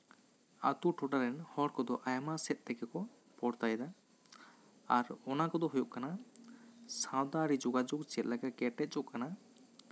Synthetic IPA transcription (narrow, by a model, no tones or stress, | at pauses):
a̰t̪uʈʰɔʈaɾɛnhɔɽkɔd̪ɔʔajamasɛt̪̚ˀt̪ɛkɛkɔ | pɔɽt̪ajd̪a | aɾɔnakɔd̪ɔɦujɔʔkana | sãwd̪aɾid͡ʒuɡad͡ʒuɡt͡ʃɛt̪̚lɛkakɛʈɛt̪̚t͡ʃuʔkana